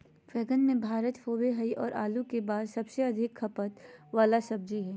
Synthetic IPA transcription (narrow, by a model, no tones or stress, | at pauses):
fɛːɡənmẽbʱaːɾət̪foːweɦɐiʔɔːɾʔa̰ːlukebaːd̪sɐbseɐd̪ʱɪkʰːɐpət̪ʋaːlasɐb̚d͡ʒiɦɛː